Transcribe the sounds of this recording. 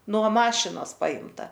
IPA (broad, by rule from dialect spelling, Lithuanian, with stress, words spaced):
nuɔ ˈmɑːʃʲɪnoːs ˈpɐɪmtɐ